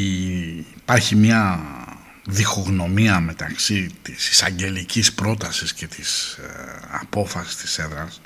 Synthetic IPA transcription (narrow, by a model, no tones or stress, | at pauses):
pɐɾçimɲɐ | ðixo̞ɣno̞miɐme̞t̪ɐksit̪isi̥sɐɲɟe̞licispɾo̞t̪ɐsisce̞t̪is | ɐ̰po̞fɐsi̥st̪i̥se̞ðɾɐs